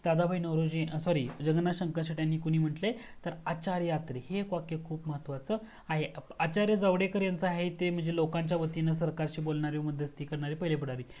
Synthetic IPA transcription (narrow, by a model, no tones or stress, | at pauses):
d̪ad̪abʱainəwɾod͡ʑisɔɾiːd͡ʑəɡnaɕəŋkəɕəʈjanːiːkuɽiːm̤əʈle | t̪əɾat͡ɕaɾjjat̪ɾihekʋakːekʰuːpməɦət̪ʋat͡səː | aɦeat͡ɕaɾjəd͡zəʋɽekəɾjant͡səaɦet̪em̤əɳd͡zelokãɲt͡ɕjaʋət̪inəs̬əɾkaɾɕiːbolɳaɾiʋməd̪ʱjəst̪iːkəɾɳaɾipəjlepəɽaɾiː